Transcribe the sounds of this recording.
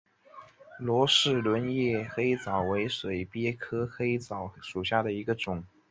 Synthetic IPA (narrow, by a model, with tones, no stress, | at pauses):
lwɔ˧˥ʂɻ̩˥˩lwə˧˥njɛ˥˩xe˥ɪ˧t͡sɑ˨˩ʊwe˧˥ɪʂwe˨˩ɪpjɛ˥kʰɤ˥xe˥ɪt͡sɑ˨˩ʊʂu˨˩ɕ̬ja˥˩d̪ə˩i˧˥ɡə˧ʈ͡ʂʊ˨˩˦ŋ